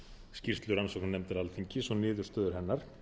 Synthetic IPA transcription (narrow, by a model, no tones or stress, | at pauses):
scir̥t̪lʏɾansɔknnɛmt̪ɪɾalfiɲcɪsɔnɪːðʏɾ̥st̪œːðʏɾ̥ɦɛnːaɾ̥